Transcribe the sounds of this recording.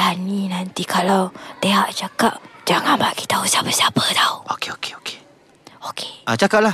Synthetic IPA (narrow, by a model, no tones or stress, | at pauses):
anĩnant̪ikʰalawt̪eɦaʔt͡ʃakap̚d͡ʒaŋanbaʔki̥t̪ausapəsapət̪auokeoke̥oke̥ | okʰeʔat͡ʃakap̚lah